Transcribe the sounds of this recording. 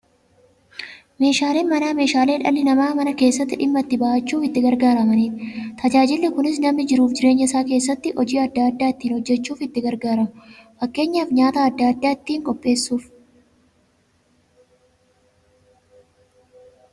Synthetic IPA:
meːʃaːleːnmɐnaːme̞ːʃaːleːᶑɐlːɪnɐmaːmɐnɐke̞ːsːɐt̪ːɪᶑɪmːɐt̪ːɪbɐʔɐt͡ʃːuːfɪt̪ːɪɡɐɾɡaːɾɐmɐniːt̪ɪt̪ʰɐd͡ʒaːd͡ʒɪlːɪkʊnɪsnɐmːɪd͡ʒɪɾuːfd͡ʒɪɾe̞ːɲːɐɪsaːke̞ːsːɐt̪ːɪʔɔd͡ʒiːɐd̪ːaːd̪ːaːɪt̪ːiːnhɔd͡ʒːɛt͡ʃːuːfɪt̪ːɪɡɐɾɡaːɾɐmʊfɐkːe̞ːɲːaːfɲaːt̪aːɐd̪ːaːɐd̪ːaːɪt̪ːiːŋkʼɔpʼːe̞ːsːuːf

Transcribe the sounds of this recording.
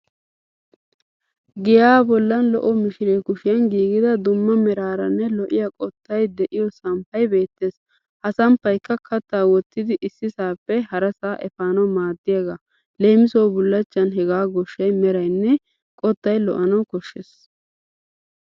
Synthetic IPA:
ɡɪjaːbɔlːɐnlɔ̰ʔɔmɪʃɪɾeːkʊʃɪjɐnɡiːɡɪd̪ɐd̪ʊmːɐmɛɾaːɾɐnːɛlɔʔɪjakʼɔt̪ːɐjd̪ɛʔɪjɔsɐmpɐjbe̞ːt̪ːe̞ːs | hɐsɐmpːɐjkːɐkʰɐt̪ːaːwɔt̪ːɪd̪ɪʔɪsːɪsaːpːɛhɐɾɐsaːʔɛfaːnɐwmaːd̪ːɪjɐɡaː | le̞ːmɪsowbʊlːɐt͡ʃːɐnɦɛɡaːɡɔʃːɐjmɛɾɐjnːɛ | kʼɔt̪ːɐjlɔ̰ʔɐnɐwkɔʃːeːs

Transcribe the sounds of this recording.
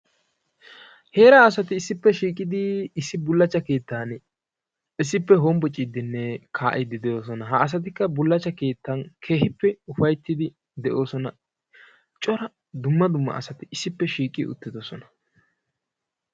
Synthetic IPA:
he̞ːɾaɐs̬ɐt̪ɪːsːɪpːɛʃiːkʼɪd̪ɪɪsːɪbʊlːɐt͡ʃːɐke̞ːt̪ːaːn | ɪs̬ːɪpːɛɦombɔt͡ʃʼːɪd̪ɪnːɛkʰaːʔɪd̪ɪd̪ɛʔo̞ːs̬ɔnɐɦɐːs̬ɐt̪̬ɪkːɐbʊlːɐt͡ʃːɐke̞ːt̪ːɐnkʰe̞ːhɪpːɛʊfɐjt̪ːɪd̪ɪ | d̪ɛʔo̞ːsɔnɐ | t͡ʃʼɔɾɐ | d̪ʊmːɐd̪ʊmːɐ̰ɐsɐt̪ɪɪsːɪpːɛʃiːkʼɪ̰ʊ̰t̪ːɪd̪ɔsɔnɐ̥

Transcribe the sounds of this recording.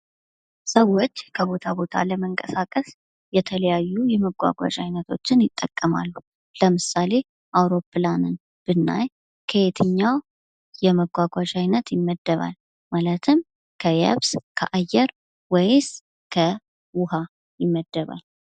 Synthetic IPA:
səwːot͡ʃːkʰəβo̞t̪ʰaβo̞t̪ʰa̰ləməŋkʼəsakʼəs | jɛt̪ʰələjajːujɛməɡʷa̰ɡʷa̰t͡ʃʼajnət̪ʰo̞t͡ʃːɪnjɪt̪ʼːəkʼːəma̰lːu | ləmɨsale̞ | ʔawɾo̞pːlanɨn | b̥ɨnːa̰j | kʰəet̪ʰɨɲːaw | jɛməɡʷaɡʷat͡ʃajnət̪jɪmːəd̪ːəβa̰l | malət̪ʰɨm | kʰəjɛ̰βskʰə̰ʔajːɛɾ | wɛjs | kʰə | wʊha | jɪmːəd̪ːəβa̰l

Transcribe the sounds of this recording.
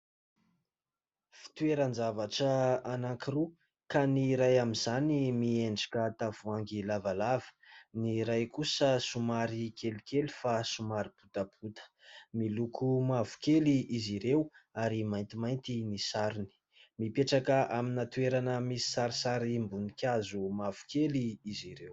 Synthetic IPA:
fi̥t̪uweɾənzavaʈ͡ʂəanaŋkiru | kaniɾajamizanimieɳɖ͡ʐḁkʲət̪av̥uaŋɡilavalavə̥niɾajkusəsumaɾikelikeli̥fasumaɾiput̪apʰut̪ə̥ | milukʰumavu̥keliʔiziɾewaɾimajnt̪imajnt̪inisaɾuni̥ | mipeʈ͡ʂakəʔaminat̪ueɾanəmisi̥saɾisaɾimbunikʲazumavu̥keliiziɾew

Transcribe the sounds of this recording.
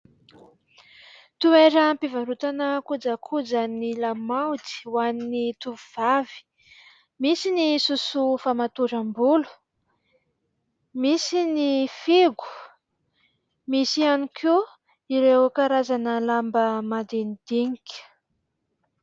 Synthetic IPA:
t̪ueɾəmpivaɾut̪anəkud͡zakʰud͡zanilamawt̪i̥waninit̪uvuv̥avi̥ | misinisusufamat̪uɾəmbulu̥ | misinifiɡu̥ | misianikʰu | iɾewkaɾazanəlambəmad̪enid̪̥iŋikʲ

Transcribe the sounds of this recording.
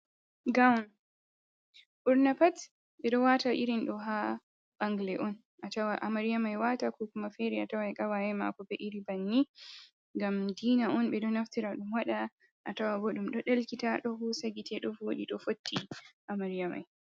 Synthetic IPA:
ɡawn | ʔuɾnapat | ɓɛɗɔwataʔiɾinɗɔɦa | ɓaŋɡlɛʔɔn | ʔatawaʔamaɾijamajwatakɔkumafɛɾiatawajkawajɛma̰kɔbɛʔiɾibanːi | ŋɡamdiːnaʔɔnɓɛɗɔnaftiɾaɗumwaɗa | ʔatawabɔɗumɗɔɗalkitaɗɔhusaɡitʰɛɗɔfwoɗiɗɔfotʰːiʔamaɾijama̰j

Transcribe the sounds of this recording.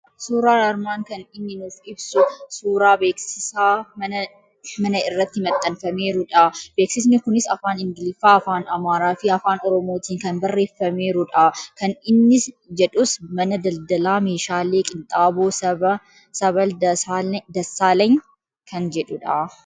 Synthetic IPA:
suːɾaːnɐɾmaːŋkɐnɪnːɪnuːfɪbsʊsuːɾaːbeːksɪsaːmɐnɐ | mɐnɐɪrːɐt̪ːɪmɐt̪ʼːɐnfɐme̞ːɾʊᶑab̥e̞ːksɪs̬nɪkʊnɪsɐ̰faːnɪŋɡɪlɪfaːɐfaːnɐmaːɾaːfɪɐfaːnɔɾɔmo̞ːt̪iːŋkɐnbɐrːe̞ːfːɐme̞ːɾʊᶑakɐnɪnːɪs | d͡ʒɛᶑʊsmɐnɐd̪ɐld̪ɐlaːme̞ːʃaːleːkʼɪnt̪ʼaːboːɐ | sɐβɐldad̪ɐsːaːlɐŋ | kʰɐnd͡ʒɛᶑʊᶑɐ

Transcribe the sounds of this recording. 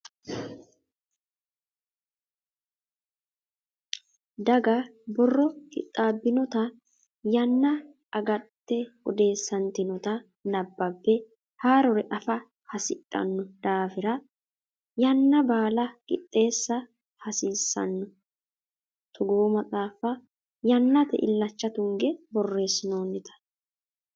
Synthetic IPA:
d̪ɐɡɐbɔrːɔkʼɪ̰t̪ʼːaːbːɪnɔt̪ɐ | jɐnːɐ | ɐɡɐt̪ːɛɔd̪e̞ːsːɐnt̪ɪnɔt̪ɐ | nɐbːɐbːɛ | haːɾɔɾɛʔɐfɐ | hɐsɪkʼːɐ̰nːɔd̪̥aːfɪɾɐ | jɐnːɐbaːlɐkʼɪ̰t̪ʼːe̞ːsːɐ | hɐsiːsːɐ̰nːɔ | t̪ʰɔɡoːmɐt͡sʼaːfɐ | jɐnːɐt̪ɛ̰ʔɪlːɐt͡ʃːɐt̪ʊŋɡɛbɔrːe̞ːsɪnoːnːɪt̪ɐ̥

